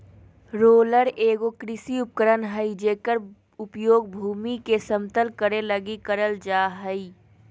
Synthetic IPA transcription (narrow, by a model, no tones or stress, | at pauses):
ɾoːləɾeːɡokɾɪsiʊp̚kəɾənɦəid͡ʒeːkəɾ | ʊpjoːɡ̚bʱuːmikesəmt̪əlkəɾeləɡikəɾəld͡ʒaːɦəi